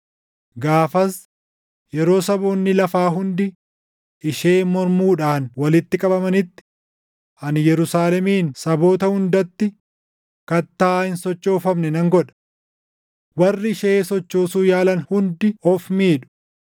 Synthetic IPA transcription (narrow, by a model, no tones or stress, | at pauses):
ɡaːfɐs | jɛɾo̞ːsɐboːnːɪlɐfaːɦʊnd̪ɪ | ʔɪʃe̞ːmɔɾmuːᶑaːnwɐlɪt̪ːɪkʼɐbɐmɐnɪt̪ːɪ̥ | ʔɐnjɛɾʊsaːlɛmiːnsɐbo̞ːt̪ɐhʊnd̪ɐt̪ːɪ | kɐt̪ːaːhɪnsɔt͡ʃːɔːfɐmnɛnɐŋɡɔᶑɐ̥ | wɐrːɪɪʃeːsɔt͡ʃːo̞ːsuːjaːlɐnhʊnd̪ɪɔfmiːᶑʊ̥